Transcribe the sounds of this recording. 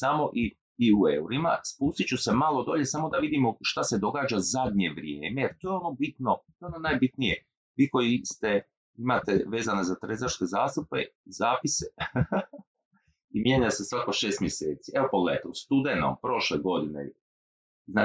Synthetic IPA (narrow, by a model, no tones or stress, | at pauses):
samo̞ʔi | iueuɾima̰spuːst̪it͡ɕuse̞malˠo̞d̪o̞̰ʎe̞samo̞d̪aʋid̪imoʃt̪ase̞d̪o̞ɡaːd͡ʒazad̪ɲe̞ʋɾjḛːme̞jeɾt̪ojeono̞bit̪not̪oeononajbit̪nije̞ | ʋiːko̞jist̪e̞ | imat̪e̞ʋe̞ːzanezat̪ɾezaɾske̞zaːst̪upe̞̰zaːpise | imjeːɲase̞sʋakoʃeːst̪mje̞seːt̪sieopoɡleet̪ost̪ud̪eno̰mpɾo̞ʃleɡo̞d̪inḛ | zna